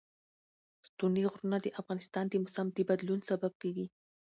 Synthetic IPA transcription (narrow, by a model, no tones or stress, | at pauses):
st̪uniɣɾunad̪əʔafɣɑnɪst̪ɑnd̪əmʊsamd̪əbad̪lunsabab̚keɡi